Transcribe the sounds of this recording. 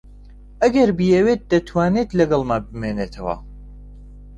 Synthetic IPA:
ɐɡɐɾbijɛwet̪̚d̪ɐt̪ʰwaːnet̪lɐɡɐlˠmabɨmeːnet̪ʰɐwɐ̰

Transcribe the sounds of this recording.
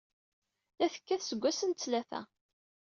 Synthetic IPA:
læθə̥kːæθsəɡʷːæsənt̪t͡sːlæθæ̰

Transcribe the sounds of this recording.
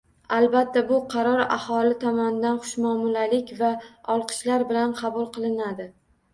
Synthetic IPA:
albat̪ːabʊqʰɑɾɒɾa̰hɒlɪt̪ʰɒmɒnd̪anχʊ̥ʃmɒmʊlalɪkʲvaɒlˠqʰɨ̥ʃlaɾbɪlanqʰɑbʊlˠqɨlˠɪnad̪ɪ

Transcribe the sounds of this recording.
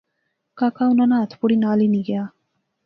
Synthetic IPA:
kakawnanat̪ʰpuɽinaːliniɡja

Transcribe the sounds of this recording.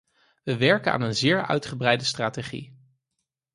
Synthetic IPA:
ʋəʋɛɹkəna̰ːnənzɪːɹœ̰ɥtχəbrɛjdəstraːteχḭ

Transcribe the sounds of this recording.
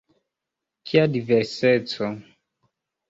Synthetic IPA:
kʰiadivɛɾsɛt͡sɔ

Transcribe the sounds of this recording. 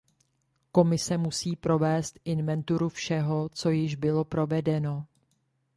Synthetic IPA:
ko̞mɪsɛmusiːpɾo̞vɛːst̪ʔɪnvɛnt̪uɾufʃɛɦo̞t͡so̞jɪʒbɪlo̞pɾo̞vɛdɛno̞

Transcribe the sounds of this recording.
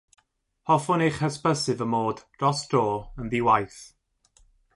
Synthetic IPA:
hɔfʊnejχhəspəsɨvəmoːdrɔsdoːənðiwajθ

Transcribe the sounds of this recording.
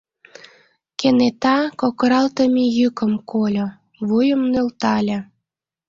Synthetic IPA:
kenet̪ɑkokəɾɑlt̪əmʲijykə̆mkolʲo | βujəmnølt̪ɑlʲə̆

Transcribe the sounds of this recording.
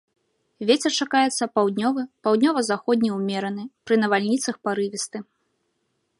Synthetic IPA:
vʲet͡sʲɛrt͡ʂakajɛt̪sːɐpawd̪ʲnʲɔvɨpawd̪ʲnʲɔvɐzaxɔd̪ʲnʲiwmʲɛɾɐnɨpɾɨnɐvalʲnʲit̪sɐxpaɾɨvʲist̪ɨ

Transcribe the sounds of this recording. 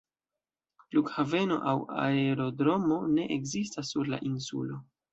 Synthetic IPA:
lukhave̞no̞̰ʔawa̰eɾo̞dɾo̞mo̞ne̞ʔekzistasːuɾla̰ʔinsṵlo̞

